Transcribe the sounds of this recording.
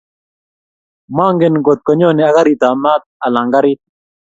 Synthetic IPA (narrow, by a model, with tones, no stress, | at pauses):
ma˦ŋɡe˦nɡo˨t̪̚kɔ˨ɲɔ˦nɪ˨a˦ka˦ɾi˨t̪a˨ma˦t̪̚a˨la˨ŋɡa˦ɾi˦t̪̚